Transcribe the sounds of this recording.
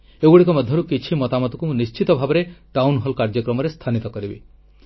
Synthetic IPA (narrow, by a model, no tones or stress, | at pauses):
eɡuɽikɔmɔd̪ʱjɔɾukit͡ʃʰimɔt̪amɔt̪u̥kuunist͡ʃit̪ɔbʱabɔɾeʈawnɦɔlkaɾd͡ʒɔkɾɔmɔɾest̪ʰanit̪ɔkɔɾibi